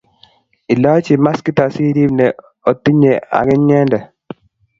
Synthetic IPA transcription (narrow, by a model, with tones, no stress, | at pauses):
i˨lɔ˦t͡ʃi˨ma˦ski˦t̪a˨si˦ɾi˦bnɛ | o˨t̪ːi˦ɲe˨a̰˨ɡɛ˦ɲɛ˦ndɛ˨